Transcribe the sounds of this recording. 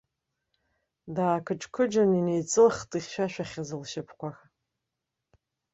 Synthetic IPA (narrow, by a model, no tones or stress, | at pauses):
daːkʰɨʈ͡ʂʼkʷʰɨd͡ʒaninejt͡sʼɨlχtʼiχʲʃʷᶣaʃᶣaχʲazɨlʃɪpʰkʷax